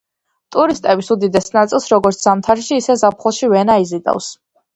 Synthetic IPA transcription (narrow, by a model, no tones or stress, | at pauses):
t̪ʼuɾist̪ʼɛbisud̪id̪ɛsnat̪sʼilˠsɾɔɡɔɾt̪sʰz̥amt̪ʰaɾʃiːsɛzap̚ʰχɔlˠʃivɛnaizit̪ʼa̰fs